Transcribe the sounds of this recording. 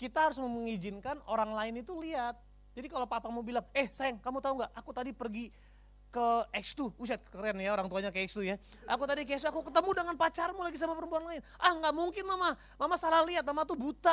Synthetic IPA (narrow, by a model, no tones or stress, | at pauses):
kit̪ahaɾʊs̬məməŋid͡ʒɪnkanoɾaŋlaɪnit̪uliat̪̚ | d͡ʒadikalopapamubilaŋɛhsajaŋkamut̪auŋɡaʔʔakut̪adipərɡi | kəɛkst̪uus̬at̪̚kə̥kəɾianjaoɾaŋt̪uaɲakəɛkst̪ujaʔakut̪adik̬ɛks̬akukət̪əmudəŋanpat͡ʃarmulaɡis̬amapəɾəmpuanlaɪnʔahŋɡaʔmuŋkɪnmama | mamasalahliat̪̚mamat̪ubut̪a